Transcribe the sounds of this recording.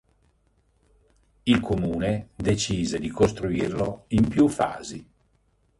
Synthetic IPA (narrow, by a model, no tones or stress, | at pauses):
ilkʰomuːned̪et͡ʃiːzed̪ikost̪ɾuirloimpjufa̰ːzi